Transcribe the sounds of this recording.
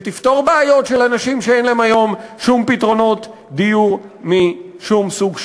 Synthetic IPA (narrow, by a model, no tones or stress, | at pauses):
t̪ift̪o̞ʁbeajo̞tʃelanaʃimʃeenleemajo̞mʃumpit̪ʁo̞no̞t̪ | d̪ijuʁmiʃumsuɡʃ